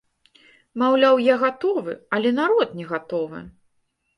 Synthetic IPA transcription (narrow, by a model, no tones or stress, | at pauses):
mawlʲawjaɣat̪ɔvɨ̰ɐlʲɛnaɾɔt̪nʲɛɣat̪ɔvɨ̰